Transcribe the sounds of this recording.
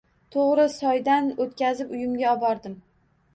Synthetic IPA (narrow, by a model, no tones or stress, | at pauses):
t̪ʰoʁɾɪsɒjd̪anot̪kʲazɪpʊjɪmɡʲaɒbɒɾd̪ɪm